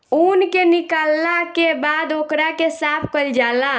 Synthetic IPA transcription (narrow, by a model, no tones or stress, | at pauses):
unkenikalːakebad̪okɾakesapʰkəld͡ʒala